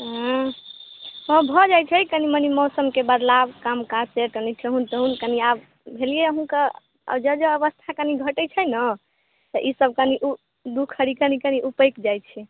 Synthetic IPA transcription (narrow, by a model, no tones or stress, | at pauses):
ɦ | hə̃bʱɔd͡ʒajt͡ʃʰɛjkənimənimɔwsəmkebəd̪labkamkaseʈəniʈʰeɦunt̪əɦunkəniab | bʱelijeɦũkə | ə̰d͡ʒəd͡ʒəːβəst̪ʰakəniɡʱəʈət͡ʃʰəjnə | t̪əʔisəb̚kəniʔu | d̪ukʰəɾikənikəniʔupəjkd͡ʒajt͡ʃʰɛ